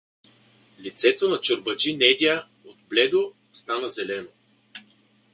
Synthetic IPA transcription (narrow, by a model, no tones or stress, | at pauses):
lit̪sɛt̪onɐt͡ʃoɾbɐd͡ʒinɛd̪ʲa | ot̪blɛd̪o | st̪anəzɛlɛno